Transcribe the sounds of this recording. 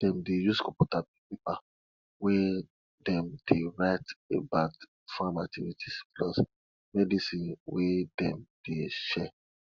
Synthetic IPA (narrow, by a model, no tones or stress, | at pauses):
d̥ɛ̃mdejuskɔ̃pɔtabipepa | wɛ | dɛ̃mdeɹaɪtebaʊt | fãmak̚tʰivitʰisplɔs | mɛdisĩnwedɛ̃md̥eʃɛ